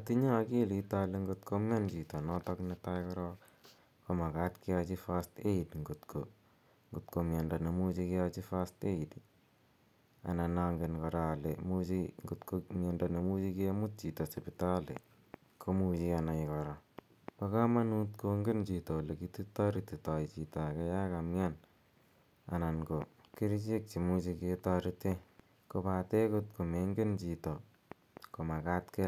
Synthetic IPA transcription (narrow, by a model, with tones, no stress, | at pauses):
a˨ti˦ɲa˦˨ki˦li˨ta˦le˦ŋɡo˦tkʰo˦mɛ˦nt͡ʃi˨tɔ˨nɔ˦tɔ˦knɛ˦ta˦jkɔ˦ɾɔ˦k | ko˦ma˨ka˨tkɪ˦a˦t͡ʃi˦fa˦ste˦i˨dŋɡu˨tkʰo̰˨ | ŋɡu˨tko˨mja˨nda˨ne˨mu˦t͡ʃi˧kɪa˦t͡ʃi˦fa˦ste˦i˨di | a̰˨na˨na˦ŋɡe˨nkɔ˨ɾa˨le˨mu˦t͡ʃiŋɡutkomjɛ˨nda˨ne˨mu˦t͡ʃi˦kɪ˦mʊ˦t̚t͡ʃi˨tɔ˨sɪ˨pita˦lḛ˨ | kʰo˦mut͡ʃiana˨e˨kɔ˨ɾɔ˨ | pa˦ka˦ma˦nu˦tko˧ŋɡe˦nt͡ʃi˨to˨le˨kiti˦tɑ˦ɾiti˨ta˨jt͡ʃi˨to˨a˨ke˦ja˦ka˨mja˦n | a̰˨na˨nko˨ki˦ɾt͡ʃe˦k̚t͡ʃi˨mu˦t͡ʃi˧keta˦ɾite˦ | ko˨pa˨te˦kʊtko˨me˦ŋɡe˦nt͡ʃito˨ | ko˨ma˨ka˦tke˦l